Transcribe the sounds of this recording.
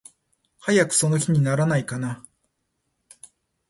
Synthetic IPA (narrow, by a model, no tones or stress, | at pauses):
hajakɯ̟̥so̞no̞çiɲ̟inaɾanaikana